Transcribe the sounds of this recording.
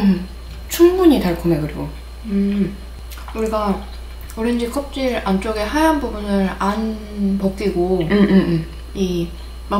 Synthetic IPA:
t͡ɕʰuŋbuɲitaɭkʰomekɯɾiɡo̰ | ɯ | uɾiɡa | oɾend͡ʑikʰʌp̚t͡ɕ͈iɾant͡ɕ͈oɡe̞ɦajaɦanbubunɯɾan | pʌk̚k͈iɡo | i | ma

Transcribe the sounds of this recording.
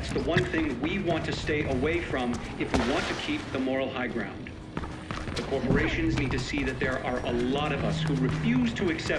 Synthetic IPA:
ætsðəwʌ̃nθɪ̃ŋwiwɑ̃ntʰɨsteɪʔəweɪfɹʌ̃mɨfwiwɑ̃ntʰɨkʰip̚ðəmɔɹl̩ˠhaɪɡɹã̰ʊ̃nd | ðɨkʰɔɹpə˞eɪʃɨ̃nznid̚tɨsiðɨt̪̚ðə˞ʔə˞ʔəlɔɾʌvʌshuɹɨfjʉz̥tʰɨɨksɛ

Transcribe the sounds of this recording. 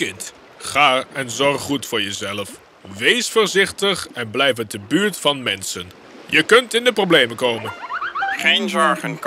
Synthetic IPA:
ɪnt | χaːɛnzɔrχːutfʊːɹjəzɛləf | ʋejsfəɹzɪχtəχɛnblɛjfətəbyːɹtfɑnmɛnsən | jəkɵntɪndəprowblejməkowmənχejnzɔɹχənk

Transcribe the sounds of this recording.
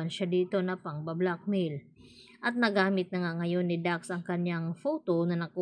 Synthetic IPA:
ɐnʃad̪iːt̪o̞nɐpɐŋbɐblak̚mil | ʔɐt̪̚nɐɡaːmɪt̪̚nɐŋaŋɐjo̞nːɪd̪aksʔɐŋkɐnjaŋfoːt̪onɐnɐku

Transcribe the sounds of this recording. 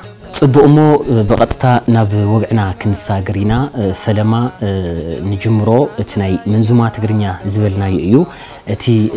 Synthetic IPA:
t͡sʼɨbːukʼɨmːo̞bɨχʼɐt̪ʼt̪ʰanaβwɔɡʕnakʰɨnɨsaɡɨɾinafɐlɐma | nɨd͡ʒɨmːɨɾo̞ʔɨt̪ʰinajmɨnzumat̪ʰɨɡɾɨɲːazɨβɐlnajɛʔɨjːu | ʔɨt̪ʰi

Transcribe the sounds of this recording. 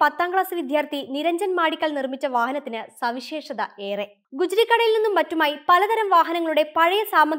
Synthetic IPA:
pɐt̪ːaːŋɡɭaːsɐʋid̪ʱjaːrt̪iniɾɐɲd͡ʑɐnmaːɽikʲːɐɭnirmit͡ɕːɐʋaːɦɐnɐt̪ːinɨsɐʋiɕe̞ːʂɐðɐe̞ːre̞ | ɡud͡ʑɾikːɐɽɐjilninːumʋɐtːumaːjipɐlɐd̪ɐɾɐmʋaːɦɐnɐŋːɐɭuɽe̞pɐɻɐjɐsaːmːɐd̪

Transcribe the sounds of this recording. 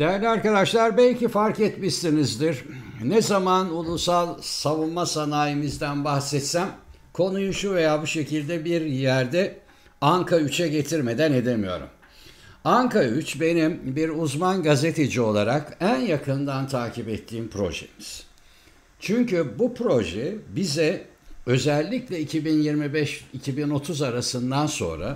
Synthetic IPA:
d̪̥ejæɾlʲiaɾkad̪aʃlˠaɾbɛlʲcifaɾkɛt̪miʃt̪inizd̪iɾ̥ | nɛzamanulˠusalˠsavummasanaːjimizd̪ænbahsɛt̪sæm | kʰo̞nujuʃuve̞jaːbuʃe̞cilʲd̪ɛbiɾjæɾd̪ɛ | aŋkʰayt͡ʃʰɛɟe̞t̪ʰiɾme̞d̪æne̞d̪e̞mijo̞̰ɾṵm | aŋkayt͡ʃbe̞nimbiɾuzmanɡaze̞t̪ʰe̞d͡ʒio̞lˠaɾakænjakʰɯnd̪ant̪ʰaːcʰipɛt̪ʰːiːmpʰɾo̞̰ʒḛmiz̥ | t͡ʃʰyɲcybupɾo̞ʒɛbizɛ | ø̞zɛlʲːiclʲɛicʰibinjiɾmibɛʃicʰibino̞t̪ʰuzaɾasɯnd̪anso̞̰nɾa̰

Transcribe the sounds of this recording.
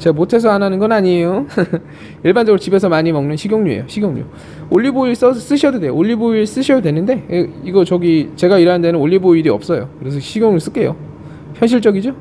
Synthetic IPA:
t͡ɕeamotʰe̞s̬ʰʌananɯnɡʌnaɲijo | iɭband͡ʑʌɡɯɾot͡ɕibe̞sʰʌmaɲimʌŋnɯnɕʰiɡjoŋɲuḛjoɕʰiɡjoŋɲṵ | oʎːiboiɭs͈ʌs͈ɯɕʰʌdodeo̰oʎːiboiɭs͈ɯɕʰʌdodwe̞nɯnde̞eiɡʌt͡ɕʌɡit͡ɕe̞ɡaiɾɦanndenɯnoʎːiboiɾiʌp̚s͈ʌjo̰kɯɾe̞sʰʌɕʰiɡjoŋiɭs͈ɯk͈e̞jo̰ | çjʌnɕ̬ʰiɭt͡ɕ͈ʌɡid͡ʑo

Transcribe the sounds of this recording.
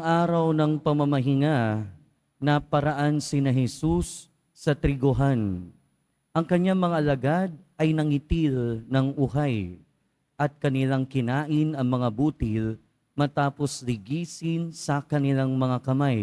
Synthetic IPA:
ɐŋʔaːɾɐwnɐŋpɐmɐmɐɦɪŋa | nɐpɐɾaʔansɪnɐɦɛsusː | ɐt̪ɾɪɡoɦan | ʔɐŋkɐɲaŋmɐŋaʔːlɐɡad̪̚ʔɐjnɐŋɪt̪ilnɐŋʔʊɦaj | ʔɐt̪̚kɐnɪlaŋkɪnaːʔɪnɐŋmɐŋabut̪ɪl | mɐt̪aːposlɪɡiːsɪnsɐkɐnɪlaŋmɐŋakɐmaj

